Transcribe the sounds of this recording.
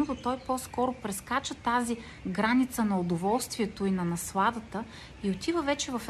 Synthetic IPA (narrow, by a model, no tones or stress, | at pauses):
od̪ot̪ɔjpɔskɔɾʊpɾɛskat͡ʃət̪azi | ɡɾanit̪sənɐod̪ovɔlˠst̪vʲiɛt̪oinɐnɐslˠad̪ət̪ə | iot̪ivəvɛt͡ʃɛvɐf